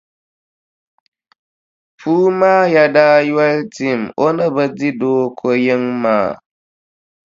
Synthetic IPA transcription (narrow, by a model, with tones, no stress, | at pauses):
pʰuː˦maː˦ja˨daː˦ja˦lti˨mo˦na˦ba˦di˦doː˦kʰo˦jɪ˦ŋma̰ː˨